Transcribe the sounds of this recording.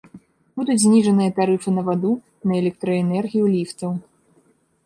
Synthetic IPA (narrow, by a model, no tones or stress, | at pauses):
bud̪ut͡sʲzʲnʲiʐɐnɨjɐt̪aɾɨfɨnɐvad̪u | nɐɛlʲɛk̚t̪ɾɐɛnɛrɣʲijulʲift̪sɐw